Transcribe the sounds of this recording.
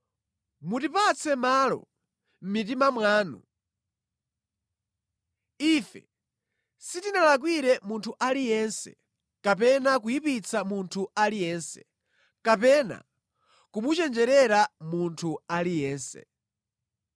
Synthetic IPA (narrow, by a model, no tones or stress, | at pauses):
mutipat͡sʰɛmaːlɔ̰ | m̩mit̬imamwaːnṵ | ifɛ̰ | sitinalak̬wiɾɛmuntʰuʔalijɛnsɛ̰ | kap̬ɛnak̬ujipit͡samuntʰualijɛːnsɛ̥̰ | kapɛna̰ | kumut͡ʃɛnd͡ʒɛɾɛɾamuntʰualijɛːnsɛ̰